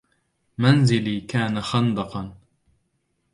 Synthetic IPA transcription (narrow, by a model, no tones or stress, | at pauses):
manzɪliːkaːnaxɑnd̪ɑqɑn